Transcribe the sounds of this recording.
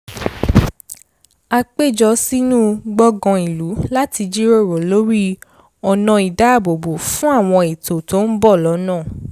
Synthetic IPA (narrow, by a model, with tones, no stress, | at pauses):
a˧k͡pe˦˨d͡ʒɔ˧˦si˦nũ˦ɡ͡bɔ˦ɡɔ̃˧i˨lu˨˦la˦ti˧d͡ʒi˦ɾo˦˨ɾo˨lo˨˦ɾi˦ | ɔ˨nã˧i˨da˨˦a˦˨bo˨bo˨fũ˦a˦˨w̃ɔ̃˧i˨to˨to˦n̩˦bɔ˦˨lɔ˨˦nãː˦˨